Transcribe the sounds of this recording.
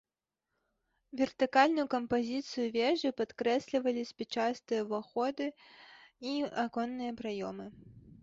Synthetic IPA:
vʲɛrt̪ɨkalʲnʊjukɐmpazʲit̪sɨjuvʲɛʐɨpat̪kɾɛsʲlʲivɐlʲisʲpʲɛt͡ʂast̪ɨjɐvaxɔd̪ɨ | iakɔnːɨjɐpɾajɔmɨ

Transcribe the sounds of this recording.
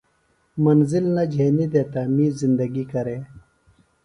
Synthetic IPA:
mɐnzilnɐd͡ʑʱeːnid̪eːt̪amĩːzind̪ɐɡikɐɾeː

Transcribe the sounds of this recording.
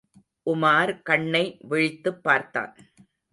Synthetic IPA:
ʔʊmaːɾkɐɳːɐɪʋɛɻɪt̪ːɯpːaːɾt̪a̰ːn

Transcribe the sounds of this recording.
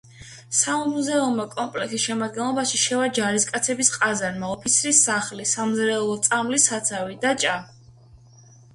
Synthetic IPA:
samuzɛumːakʼɔmpʼlɛkʰsisʃɛmad̪̚ɡɛnlˠɔbaʃiʃɛvad͡ʒaɾiskʼat̪sʰɛbisqʼazaɾmaɔpʰit̪sʰɾisaχlisamzɾɛulˠɔt̪sʼamlisat̪sʰavid̪at͡ʃʼa

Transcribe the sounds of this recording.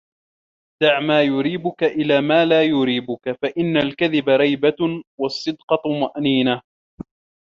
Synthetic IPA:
d̪̥aʕmaːjʊɾiːbʊkaʔɪlaːmaːlaːjʊɾiːbʊkafaʔɪnːalkaðɪbaɾˤɑjbawɑsˤːɨd̪qɑt̪maʔniːna

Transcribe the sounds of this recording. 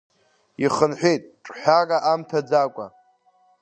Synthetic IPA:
iχənħʷᶣejtʼʈ͡ʂʼħʷᶣarʼaʔamtʰad͡zakʷʼa̰

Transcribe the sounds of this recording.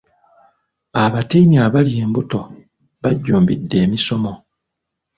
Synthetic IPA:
aβatiiniaβalie̞ːmbuto̞ | βaɟːuːmbidːe̞ːmiso̞mo̞

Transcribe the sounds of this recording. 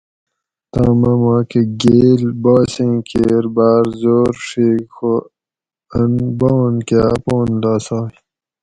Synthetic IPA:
t̪aːmɐmaːkeɡeːlbaːsẽkʰeɾbaːɾzoːɾʂiːkxo | ɐnboːnkapoːnd̪aːsaː

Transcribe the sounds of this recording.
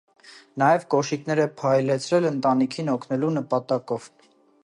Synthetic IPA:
nɑjɛvkɔʃiknɛɾɛpʰɑjlɛt͡sʰɾɛlənt̪ɑnikʰinɔkʰnɛlunəpɑt̪ɑkɔv

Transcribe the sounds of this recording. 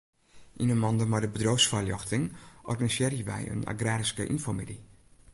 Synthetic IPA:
ʔinəmɑndəmadəbədrowsfarljɔxtɪŋʔɔ̰rɡanisɪːrjəʋɛ̰jə̰na̰ɡraːɾiskəʔḭnfɔmidi

